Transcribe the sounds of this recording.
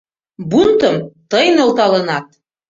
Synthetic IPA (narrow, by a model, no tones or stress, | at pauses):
bunt̪ɤ̆mt̪ɤjnɤ̆lˠt̪ɑlɤ̆nɑt̪̚